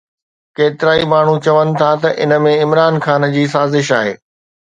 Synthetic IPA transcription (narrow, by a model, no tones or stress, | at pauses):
keːt̪ɪɾaːimaːɳ̤ut͡ɕɐʋənɪ̆t̪ʰat̪ɐʔɪ̰nə̆mẽɪmɾaːnxaːnd͡ʑiːsaːzɪʃaːɦeː